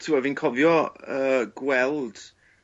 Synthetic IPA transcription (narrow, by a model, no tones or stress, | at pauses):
tʰuɛvɪnkʰɔvjɔəːɡ̥wɛlˠd̥